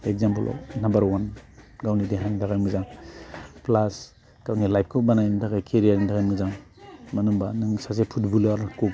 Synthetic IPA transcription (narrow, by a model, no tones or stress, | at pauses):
ek̚zampɐlɔ̰nambɐɾwanɡawnideɦantʰaɡajmuzaŋ | plas | kawnilajp̚kʰɯbanajitʰakajkʰeɾijaɾintakajmuzaŋ | mɐnuŋbanɯŋsasepʰutbulaɾku